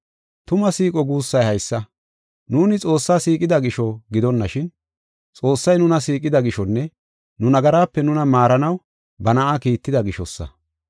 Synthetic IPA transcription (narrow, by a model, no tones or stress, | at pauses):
t̪ʊmɐsiːkʼɔɡuːsːɐjhɐjsːɐ | nuːnɪt͡sʼo̞ːsːaːsiːkʼɪd̪ɐɡɪʃɔɡɪd̪ɔnːɐʃɪn | t͡sʼo̞ːsːɐjnʊnɐsiːkʼɪd̪ɐɡɪʃɔnːɛ | nʊnɐɡɐɾaːpːɛnʊnɐmaːɾɐnɐw | bɐnɐʔaːkiːt̪ːɪd̪ɐɡɪʃɔsːɐ̰